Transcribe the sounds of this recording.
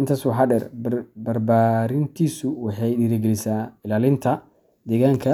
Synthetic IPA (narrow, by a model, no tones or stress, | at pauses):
ʔɪnt̪ʰaːswɑħɑːɖɛrbɐrbaːɾɪnt̪ʰiːsʊwɑħɑjɗiːɾɐɡɛlɪsaːɪlaːlɪnt̪ʰɐ | d̪ɛːɣaːŋkʰɐ